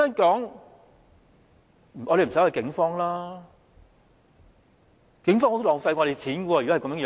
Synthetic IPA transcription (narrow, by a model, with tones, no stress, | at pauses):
aː˥nkɔː˨˥ŋ˨ | ɔː˨˧ɾe˨jm̩˨sjɐ˨˧jkɪ˨˥ŋfɔː˥ŋlaː˥ | kɪ˨˥ŋfɔː˥ŋo˧˥lɔː˨˩ŋfa˧jkɔː˧˩e˨˧jt͡sʰiː˨˥nkɔ˧wɔː˧˨kɔ˨˥˨kɐ˦mjœː˧˥˧